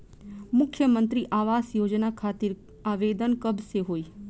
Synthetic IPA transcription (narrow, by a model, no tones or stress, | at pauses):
mʊkʰjəmənt̪ɾiʔaʋasjod͡ʒnakʰat̪iɾ | aʋed̪ənkəbseɦoːj